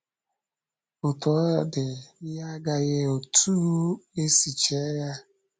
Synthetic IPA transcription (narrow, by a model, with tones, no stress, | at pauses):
ʊ˨tɔ˨˦dɪ˨ja˦ɡa˦ɣe˦o˨tʰu˦e˦si˨t͡ʃe˨˦ɣa˦